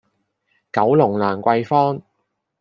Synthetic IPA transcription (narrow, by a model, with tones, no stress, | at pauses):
kɐ˨˥wlʊ˨˩ŋlaː˨˩nkʷɐ˧jfɔː˥ŋ